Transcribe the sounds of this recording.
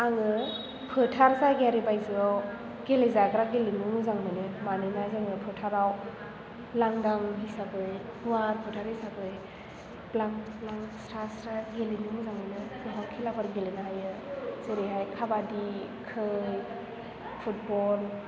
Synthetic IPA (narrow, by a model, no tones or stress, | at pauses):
aŋɯ | pʰɯtʰaɾzaɡeaɾibajzɯaw | ɡelezaɡɾaɡelinuŋɯzaŋmɯnɯmanɯnazaŋɯpʰɯtʰaɾaw | laŋdaŋɦisakɯj | uaɾpʰɯtʰaɾhisaɡɯj | plaŋplaŋstʰastaɡelinuŋɯzaŋmɯnɯzɯɦawkʰilabʰaɾɡelenaɦajɯzeɾeɦajkʰabadi | kʰɯj | pʰut̚bɔl